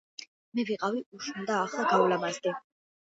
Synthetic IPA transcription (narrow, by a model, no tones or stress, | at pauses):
mɛviqʼaviuʃund̪aːχlˠaɡawlamazd̪ɛ